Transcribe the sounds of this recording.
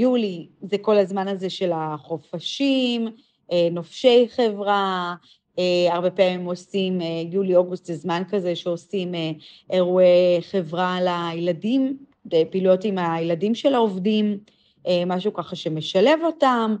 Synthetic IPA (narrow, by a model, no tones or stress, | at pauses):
julizekolazmanaze̞ʃe̞laχo̞faʃim | enofʃe̞jχe̞vʁa | eaʁbe̞peamimo̞simejulio̞ɡust̪zezmankazeʃeo̞simeeʁueχe̞vʁalajladim | epiːlujo̞timajladimʃelaovdim | emaʃukaχaʃe̞me̞ʃale̞vo̞tam